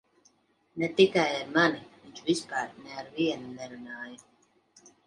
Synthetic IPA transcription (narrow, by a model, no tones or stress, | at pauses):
nɛt̪ikajlɛɾmaniviɲt͡ʃvispaːɾnɛaɾviɛnunɛɾunaːja